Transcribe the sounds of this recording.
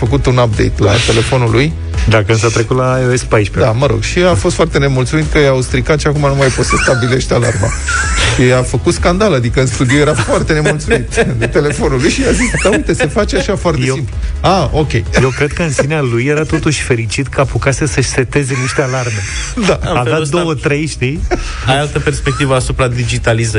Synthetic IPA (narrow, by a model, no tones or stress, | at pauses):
fəkut̪unap̚d̪ejt̪la̰t̪e̞le̞fo̞nuluj | d̪akəɨnsat̪ɾe̞kut̪laoespajʃped̪aməɾo̞̰ɡʃiafost̪foart̪e̞ne̞mult̪sumit̪kəjawst̪ɾikat̪ʃiakumanumajpot̪səst̪abile̞ʃt̪ʲala̰rma̰ʃiafəkut̪skand̪alad̪ikəɨnst̪ud̪ioje̞ɾafoart̪e̞ne̞mult̪sumiit̪ɨt̪e̞le̞fo̞nulujʃiazisd̪aujt̪e̞se̞fat͡ʃaʃafoart̪esimpuao̞kʲe̞jjewkɾe̞d̪̚kəɨnsinealujːe̞ɾat̪o̞t̪uʃʲfe̞ɾit͡ʃit̪kʰəapukasesəʃset̪e̞zeniʃt̪ealarme̞ | d̪aavatd̪owət̪ɾe̞jʃt̪ij | aalt̪əpe̞rspek̚t̪ivəasupɾad̪id͡ʒit̪alizə